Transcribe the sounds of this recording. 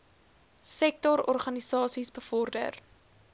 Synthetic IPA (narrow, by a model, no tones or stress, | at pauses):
sɛk̚tɔɾɔrχɐnisɑːsisbəfɔrdə̰r